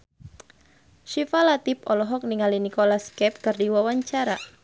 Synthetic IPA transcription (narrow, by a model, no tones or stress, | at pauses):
ʃifalat̪ipɔlɔɦɔk̚niŋalinikolaskɛp̚kɨrdiwawaɲt͡ʃaɾa